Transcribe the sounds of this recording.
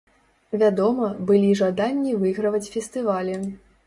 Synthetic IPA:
vʲad̪ɔmɐbɨlʲiʐad̪anʲːivɨɣɾɐvɐt͡sʲfʲɛst̪ɨvalʲɛ

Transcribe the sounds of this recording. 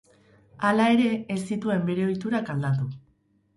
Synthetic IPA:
alae̞ɾe̞ːsit̪ue̞mbe̞ɾe̞o̞jt̪uɾakald̪at̪u

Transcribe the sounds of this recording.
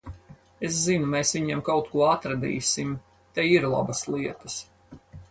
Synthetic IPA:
es̬zinumeːsviɲɛmkawt̪̚kuɔat̪ɾad̪ḭːsim | t̪ɛiɾlˠa̰bɐslˠiɛt̪ɐs

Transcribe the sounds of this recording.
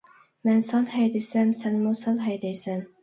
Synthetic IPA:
mɛnsɑlˠhɛjd̪ɛsɛmsɛnmʊsɑlˠɦɛjd̪ɛjsɛn

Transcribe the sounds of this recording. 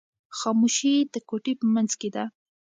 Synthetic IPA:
xɑmuʃid̪əkoʈipəmanzked̪a

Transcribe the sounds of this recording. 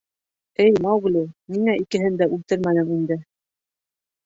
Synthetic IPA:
ɘjmɑwɡlimiŋæikɘ̆ɦɘnd̪æʉlt̪ɘɾmænɘ̆ŋind̪ɘ

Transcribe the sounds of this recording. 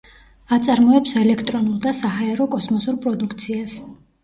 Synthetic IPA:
at̪sʼaɾmɔɛpsɛlɛkʰt̪ʼɾɔnulˠd̪asaɦaɛɾɔkʼɔsmɔsuɾpʼɾɔd̪ukʰt̪sʰias

